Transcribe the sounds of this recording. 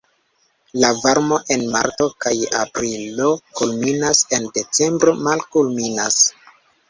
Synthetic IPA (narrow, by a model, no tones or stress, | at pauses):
lavaɾmo̞ʔe̞nma̰ɾto̞kaja̰pɾilo̞kulminase̞nde̞t͡se̞mbɾomalkulminas